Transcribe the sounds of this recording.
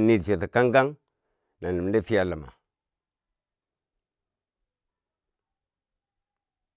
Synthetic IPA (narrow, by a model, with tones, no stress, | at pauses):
ni˦˨ɾt͡ʃe˨ta˨ka˦ŋɡa˦ŋ | na˨n˨lə˨m˨˦de˦fi˦a˦la˨ma̰˨